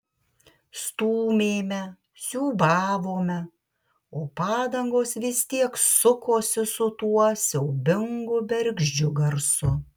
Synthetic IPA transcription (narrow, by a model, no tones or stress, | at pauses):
st̪uːmʲeːmʲɛ | sʲuːbɑːʋoːmʲɛ | oːpɑːd̪ɐŋɡoːsʋʲɪst̪ʲiɛksʊkoːsʲɪsʊt̪uɔsʲɛʊbʲɪŋɡʊbʲɛɾʲɡʲʒʲd͡ʒʲʊɡɐɾsʊ